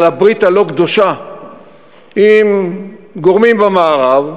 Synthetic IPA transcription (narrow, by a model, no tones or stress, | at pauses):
labʁit̪aloɡd̪oʃa | imɡo̞ʁmimbamaːʁav